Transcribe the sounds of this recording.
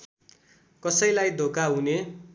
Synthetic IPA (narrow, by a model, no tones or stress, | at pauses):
kʌsʌjlajd̪ʱokaɦune